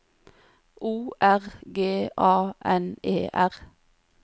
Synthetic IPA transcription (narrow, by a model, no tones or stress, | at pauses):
ʔuːʔæʁɡeːʔɑːʔɛneːʔæʁ